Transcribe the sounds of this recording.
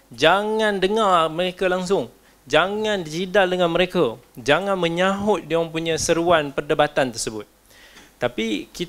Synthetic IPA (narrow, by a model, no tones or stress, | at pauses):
d͡ʒaŋãndəŋarməɾekalaŋs̬ʊŋ | d͡ʒaŋãndd͡ʒidadəŋamə̃ɾekad͡ʒaŋãnmə̃ɲãɦʊt̪̚diaməmp̬uɲãsəɾuanpərdəbat̪ant̪ərsəbʊt̪̚ː | apiki